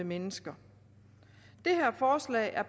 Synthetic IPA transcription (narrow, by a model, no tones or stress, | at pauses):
əmenəsɡ̥ɐ | d̥e̝ɦæɐ̰fɒːslɛ̰ːʔæɐ̥